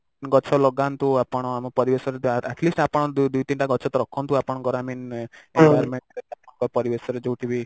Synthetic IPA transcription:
nɡɔt͡ʃʰɔlɔɡant̪uapɔɽ̃ɔamɔpɔɾibesɔɾeɛʈlisʈapɔɽ̃ɔd̪ud̪ujt̪inʈaɡɔt͡ʃʰɔt̪ɔɾɔkʰɔnt̪uapɔɽ̃ɔɡɔɾaminenbajɔɾmeɳʈɾet̪apɔ̃kɔpɔɾibesɔɾed͡ʒowʈʰibi

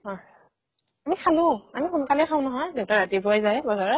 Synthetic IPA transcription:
hɔj | amikʰalʊ̃amixunkalɛkʰaʊ̃nɔɦɔjdeʊtaɹatibɔajzajbɔzaɹɔ

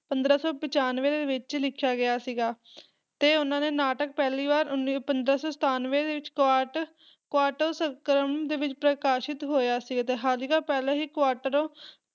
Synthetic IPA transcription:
pənd̪ɾaːsɔːpɪt͡ʃaːnʋeːd̪eːʋɪt͡ʃlɪkʰjaːɡɪjaːsiːɡaː | t̪eːʊnãːneːnaːʈəkpɛːliːʋaːɾʊnːpənd̪ɾaːsɔːsət̪ʰaːnʋeːd̪eːʋɪt͡ʃkaːʈ | kʋaːɾʈəɾsəŋkəɾəmd̪eːʋɪt͡ʃpɾəkaːʃɪt̪ɦoːjaːsiːɡaːt̪eːɦaːlikaːpɛːleːɦiːkʋaːɾʈəɾoː

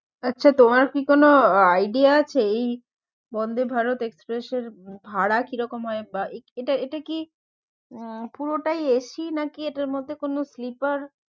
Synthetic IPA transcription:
atːʃʰat̪omaɾkikonoajɖiaat͡ɕʰeej | bɔnd̪ʱebʱaɾot̪ekspɾeʃeɾbʱaɽakiɾɔkomɦɔebaʔeeʈaeʈaki | puɾoʈajeʃinakieʈaɾmod̪ʱːekonoslipaɾ

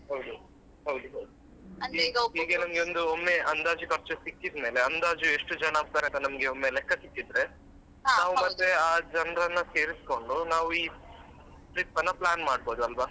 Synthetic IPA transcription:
ɦɐwd̪u | ɦɐwd̪uɦɐwd̪u | ɐniɡoɦiːɡenɐmɐɡeond̪uomːe̞ɐnd̪aːd͡ʒukɐɾt͡ʃɐsikːid̪me̞ːleɐnd̪aːd͡ʒueʂʈud͡ʒɐnaːɡ̚t̪aːɾeɐnt̪ɐnɐmɐɡeomːnelɛkːɐsikːid̪ɾe̞ | naːʋumɐt̪ːeaːd͡ʒɐnɾɐnːɐse̞ːɾisko̞ɳɖunaːʋuiː | pɾit̪̚pɐnːɐplaːnmaːɽbo̞ːd̪uɐlʋɐ

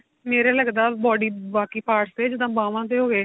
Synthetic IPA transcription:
meːɾeːləɡd̪aːbɔːɖiːbaːkiːpaːɾʈst̪eːd͡ʒɪd̪ãːbãːʋãːt̪̬eːɦoːɡeː

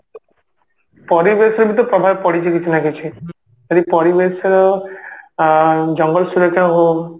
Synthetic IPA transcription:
pɔɾibesɾɔbit̪̬ɔpɾɔbʱabepɔɽit͡ʃʰikit͡ʃʰinakit͡ʃʰi | d͡ʒɔd̪ipɔɾibesɾɔ | d͡ʒɔŋɡɔlsuɾekãɦo

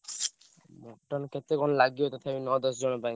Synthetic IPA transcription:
mɔʈːankʰet̪ːɾekɔnlaɡiot̪ɔt̪ʰabinɔd̪ɔsd͡ʑɔnopaj

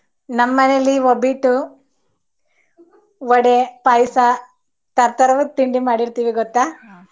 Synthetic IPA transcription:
nɐmːɐnelːiobiʈːu | ɔɽepɐjsɐ | t̪ɐɾt̪ɐɾɐʋut̪iɳɖimaːɽiɾt̪iːʋiɡɔt̪ːaː

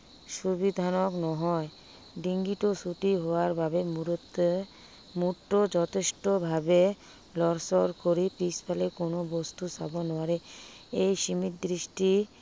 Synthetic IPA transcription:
ʃubid̪ʱanoknɔɦɔe | ɖiŋɡiʈosuʈiɦooaɾbʱabemuɾ | muʈːod͡ʑɔt̪ʰeʃʈobʱabe | lɔɾsoɾkoɾipɾispʰalekonobost̪usa̰bonɔaɾe | ejʃimit̪̚d̪ɾiʃʈi

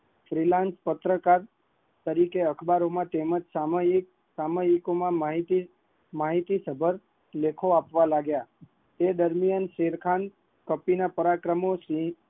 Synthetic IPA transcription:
fɾilãnspət̪ɾəkaɾ | t̪əɾikeəkʰbaɾomãt̪eməd͡ʒsa | saməikomãmɦit̪i | maɦit̪isəbʱəɾ | lekʰoapʋalaɡja | t̪ed̪əɾmijənʃeɾkʰan | kəpinapəɾakɾəmosi

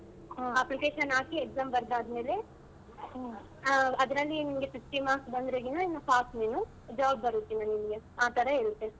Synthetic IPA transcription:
ɐplikeːʃɐnaːkieɡzaːmbɐɾd̪aːd̪ɐmeːle | ɐd̪ɐɾɐlːinimɡesisʈimaːsbɐnd̪ɾeɡinɐinːɐpʰaːsneːnu | d͡ʒaːbːɐɾut̪ːinɐnimɡeaːt̪ɐɾɐeɭt̪ːe

